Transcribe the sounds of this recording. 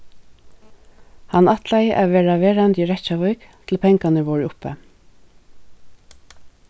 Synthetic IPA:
hanːat̪lajʔaʋeːɹaʋeːɹant̪iɹɛt͡ʃavœjkt̪ʰɪlpʰɛŋkanəʋɔːɹɪʊpɛ

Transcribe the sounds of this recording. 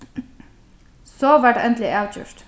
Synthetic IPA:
soːʋæɖɛnd̪lɪʔɑʉt̪ʰjʉ̰ːɹʈ

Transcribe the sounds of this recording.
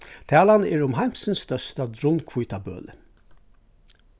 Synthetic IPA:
t̪ʰæːlanɛɹʊmɦajm̥sənst̪œst̪ad̪ɾʊnkʰvujt̪ʰabø̰ːlə̰

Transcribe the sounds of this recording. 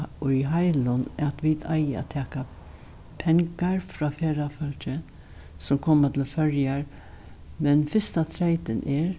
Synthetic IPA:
ʊjɦaɪlʊnat̪ʋid̪ʰa̰ɪjəa̰t̪ʰɛːka | pʰɛŋkaɹfɾɔːfeːɾafœlt͡ʃə | sʊmkʰoːmat̪ʰɪlfœɹjaɹ | mɛnfɪst̪at̪ʰɾeɪt̪ɪnʔɛɹ

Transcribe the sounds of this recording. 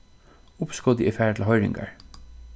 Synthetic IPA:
ʊpskɔd̪əɛfæːɹʈ̪ʰl̩ɦɔʏɹɪ̰ŋɡa̰ɹ

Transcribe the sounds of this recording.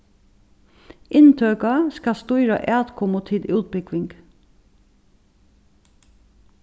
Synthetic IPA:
ʔɪnt̪ʰøːkɑskɑst̪ʉːɾə̰ʔæːt̪kʰɔmuːt̪ʰɪd̪ʉːt̪̚bʏkʋɪŋɡ

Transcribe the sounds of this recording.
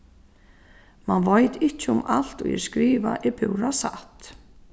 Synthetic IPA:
manvaːjt̪ɪhcːʊmal̥t̪ɔ̰ɣjɛ̰ɾ̥skɾiːva̰ʔɪpʰʏwɾasa̰ht̪

